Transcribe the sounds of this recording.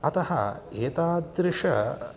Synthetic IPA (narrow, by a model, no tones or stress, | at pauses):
ɐt̪ɐhɐ̰eːt̪aːd̪ɾɪʂɐ̰